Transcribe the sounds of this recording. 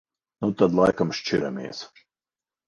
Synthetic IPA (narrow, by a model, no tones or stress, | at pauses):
not̪ad̪lˠajkamʃt͡ʃiɾamḛːs